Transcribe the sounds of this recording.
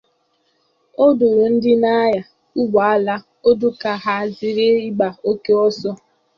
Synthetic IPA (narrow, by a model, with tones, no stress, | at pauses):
o˦do˨ɾo˨n̩˦dɪ˦na˦ja˨ | u˦ɡ͡ba˨a˦la˦ | o˦dʊ˦ka˨ɦa˦zi˨ɾe˦i˦ɡ͡ba˨o˦ke˦ɔ˦sɔ˦